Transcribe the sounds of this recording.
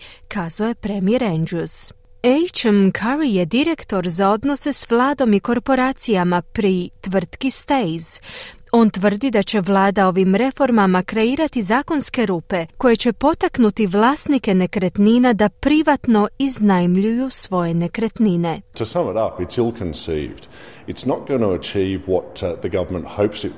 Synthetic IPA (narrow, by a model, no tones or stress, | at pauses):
kaːzaoje̞pɾe̞mieɾendɾus | ejt͡ʃmkʰaɾijed̪iɾe̞kt̪o̞ɾzao̞d̪no̞se̞sʋlˠaːd̪o̞miko̞ɾpo̞ɾaːt̪sijamapɾit̪ʋr̩t̪kist̪ejz | o̞nt̪ʋər̩d̪id̪at͡ɕe̞ʋlˠaːd̪ao̞ʋimɾe̞fo̞ɾmamakɾe̞iːɾat̪izaːko̞nske̞ɾuːpe̞ko̞je̞t͡ɕe̞po̞t̪aknut̪iʋlˠaːst̪nike̞ne̞kɾe̞t̪ninad̪apɾiʋat̪no̞iznajmʎujusʋo̞je̞ne̞kɾet̪nine̞tʰəsʌ̃məɾʌpɨtsɪlˠkʰɨ̃nsḭvd̥ | ɨtsnət̚ɡ̥ʌñəət͡ʃʰivwɒt̪ðɨɡʌvə˞mə̃nthoʊpsɨt̚